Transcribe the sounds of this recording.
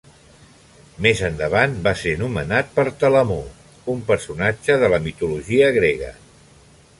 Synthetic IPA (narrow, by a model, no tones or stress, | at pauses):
mezənd̪əβ̞anbasenumənat̪̚pəɾt̪ələmo | umpəɾsunad͡ʒəðələmit̪uluʒiəɣɾeɣ̞ə̰